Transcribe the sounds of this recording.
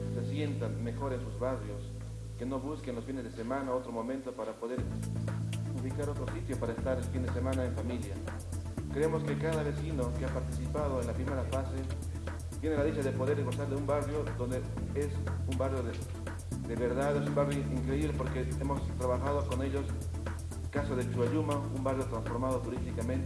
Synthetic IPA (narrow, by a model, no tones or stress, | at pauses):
se̞sje̞nt̪anme̞xo̞ɾensuzβarjo̞s | ke̞no̞βuskenlo̞sfine̞zðe̞se̞mãnao̞t̪ɾo̞mõ̞mẽnt̪o̞paɾapo̞ðe̞ɾ | uβikaɾo̞t̪ɾo̞sit̪jo̞paɾaest̪aɾelfind̪e̞se̞mãnaeɱfamilja | kɾeemo̞ske̞kaðaβe̞sino̞keapaɾt̪isipað̞oenlapɾime̞ɾafase̞ | t̪je̞ne̞laðit͡ʃaðe̞po̞ðeɾɣo̞saɾðeumbarjo̞ðo̞nd̪e | esumbarjo̞ðe | d̪eβeɾðaðesumbarjoiŋkɾeiβlepo̞ɾke̞emo̞st̪ɾaβaxaðo̞ko̞ne̞ʎos | kasoðet͡ʃuβaʎumaumbarjo̞t̪ɾansfo̞ɾmaðot̪uɾist̪ikament̪